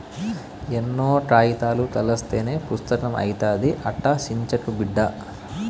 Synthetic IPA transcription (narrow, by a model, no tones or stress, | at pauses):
enːoːʈɾaːjit̪aːlut̪ɐlɐst̪e̞ːne̞ːpɾust̪ɐkɐmɐ̰jt̪aːd̪iʔɐʈːɐsiɲt͡ʃɐkubiɖːɐ